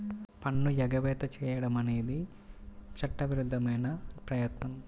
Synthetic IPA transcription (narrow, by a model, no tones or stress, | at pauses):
pɐɳːujɐɡɐʋɛːt̪ɐt͡ʃɛːjɐɽɐmɐnejid̪i | t͡ʃʰɐʈːɐʋiɾud̪ʱːɐmɐːnɐpɾɐjɐt̪nɐm